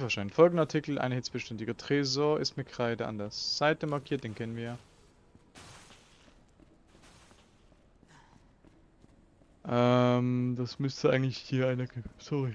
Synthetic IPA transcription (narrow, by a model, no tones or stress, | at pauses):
fɛɐʃaɪnfɔlɡŋ̩ndəaɐtʰitl̩ʔa̰ɪnəhɪt͡sb̥əʃtɛntɪɡɐtʁ̥ɛːzoːɐɪstmɪt̚kʰʁ̥aɪdəʔa̰ndɐɐsz̥aɪtəmaɐkʰiːɐt̚d̥eːnkʰɛnənviːɐjaː | ʔɛmd̥asmʏstəʔaɪɡŋ̩tlɪçhiːɐaɪnɐɡsɔʁɪ